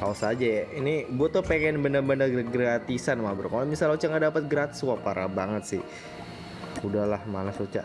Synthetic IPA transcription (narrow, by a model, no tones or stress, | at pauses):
kaosad͡ʒajainiɡuat̪ʊhpeŋɛnbənərbənərɡɡəɾat̪isanmabəɾkalmisalot͡ʃaŋɡadapət̪̚ɡɾat̪i̥suapaɾa̰baŋət̪sɪ̰h | udahlahmalasot͡ʃa̰